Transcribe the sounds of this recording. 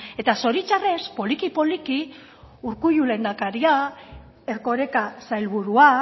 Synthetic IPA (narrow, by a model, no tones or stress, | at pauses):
e̞t̪aso̞ɾit͡ʃare̞spo̞likipo̞liki | uɾkujule̞nd̪akaɾia | e̞ɾko̞ɾe̞kasajlβuɾua